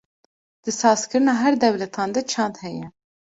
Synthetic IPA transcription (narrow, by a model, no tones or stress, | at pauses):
d̪̥ɨsɑːzkɨɾɨnɑːɦɛɾd̪ɛwlɛt̪ʰɑːnd̪ɛt͡ʃʰɑnd̪hɛjɛ